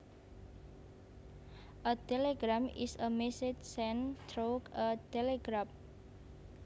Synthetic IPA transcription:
ʔət̪eleɡɾamḭsəmɛset͡ʃsɛ̃nt̪ɾokət̪eleɡɾam

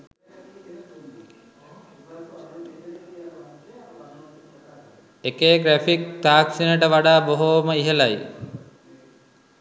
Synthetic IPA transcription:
ekeːɡɾæfik̚t̪aːksinəʈəʋaɖaːboɦoməiɦelaj

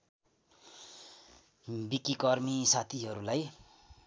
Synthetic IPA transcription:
bikikʌrmisat̪ʰiɦʌɾulaj

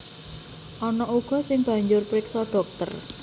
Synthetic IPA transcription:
ʔɔnɔuɡ̥ɔ̤sɪŋb̥ä̤ɲd͡ʒʊrpɾɪksɔɖ̥ɔ̤k̚t̪ə̰r

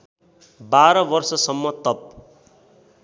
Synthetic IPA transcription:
baɾʌbʌrsʌsʌmːʌt̪ʌp̚

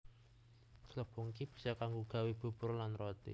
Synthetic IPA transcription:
ɡ̥ələb̥oŋkib̥i̤̥sɔkaŋɡuɡ̥a̤wib̥ṳb̥ʊrlanrot̪ḭ

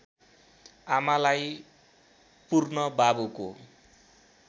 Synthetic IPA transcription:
amalaj | purnʌbabuko

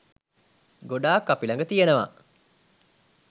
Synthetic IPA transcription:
ɡoɖaːkːapilaŋɡət̪ijenəʋa̰

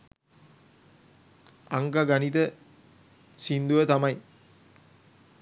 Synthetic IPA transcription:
aŋɡaɡanit̪ə | sind̪uʋət̪amɐj

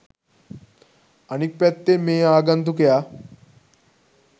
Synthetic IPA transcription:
ɐnik̚pɛt̪ːemeːaːɡɐnt̪ukeja

